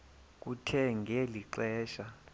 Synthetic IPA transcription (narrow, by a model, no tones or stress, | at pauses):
k̬ʼutʰɛŋɡʱeliǀɛːʃa